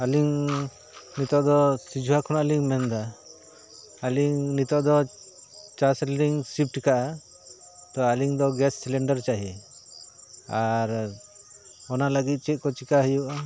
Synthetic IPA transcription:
aliŋ | nit̪ɔʔd̪ɔsid͡ʒuɦakʰɔnaaliŋmɛnd̪a | liŋnit̪ɔʔd̪ɔ | t͡ʃasɛlɾiŋsip̚ʈikaʔa | t̪ɔaliŋd̪ɔɡɛsːilɛɳɖaɾt͡ʃaɦi | aɾ | ɔnaləɡit̪̚t͡ʃɛt̪̚kɔt͡ʃikaɦəjuʔa

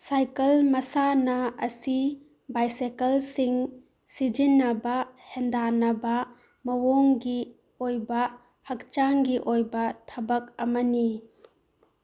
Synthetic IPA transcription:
sajkɐlmɐsanɐɐsi | bajsekɐlsiŋ | sid͡ʒinːɐbɐhɛnd̪anɐbɐ | mɐwoŋɡi | ojba | hɐk̚t͡ʃaŋɡiʔojbɐtʰɐbɐk̚ɐmɐni

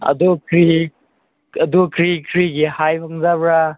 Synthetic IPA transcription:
ɐ̰dukʰɾi | ɐdukʰɾikʰɾiɡihajpʰaŋzabɾa

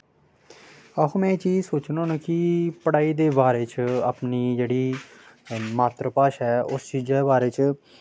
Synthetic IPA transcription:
aːɦõːmɛ̃ːt͡ʃiːd͡ʒsoːt͡ʃnõːnəkɪpəɽaːiːd̪eːbaːɾeːt͡ʃa̰ːpniːd͡ʒeːɽiː | maːt̪ɾəpaːʃɦɛːʊst͡ʃiːd͡ʒeːbaːɾeːt͡ʃ

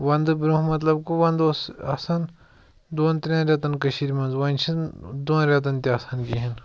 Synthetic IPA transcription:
ʋɐnd̪ɨbiɾũmɐt̪lɐbkuʋɐnd̪osa̰sɐn | d̪oːnt̪ɾʲẽɾʲjaːt̪ɐnkɐʃiɾʲmɐ̃nzʋɐnʲt͡ʃʰid̪oːnɾʲjaːt̪̬ɐnt̪ʲiasɐnkiɦin

